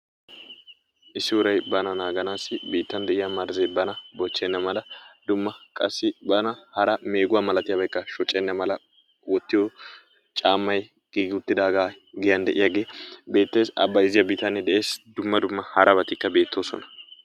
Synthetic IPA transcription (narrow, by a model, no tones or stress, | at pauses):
ʔɪsːɪwʊɾɐjbɐnɐnaːɡɐnaːsɪbiːt̪ːɐnd̪ɛʔɪjamɐɾzɐbɐnɐbɔt͡ʃːɛnːɐmɐlɐd̪̥ʊmːɐkʼɐsːɪbɐnɐhɐɾɐme̞ːɡʊwaːmɐlɐt̪ɪjɐbɐjkːɐʃɔt͡ʃʼːɛnːɐmɐlɐ | wɔt̪ːɪjoː | t͡ʃʼaːmːɐj | ɡ̥iːɡɪʊt̪ːɪd̪aːɡaː | ɡɛjɐnd̪ɛʔɪjaːɡe̞ːbe̞ːt̪ːe̞ːsɐ̰bːɐjɪzɪjɐbiːt̪ːɐnːɛd̪ɛʔe̞ːsd̪ʊmːɐd̪ʊmːɐhɐɾʔɐbɐt̪ɪkːɐbe̞ːt̪ːo̞ːsɔ̰nɐ̥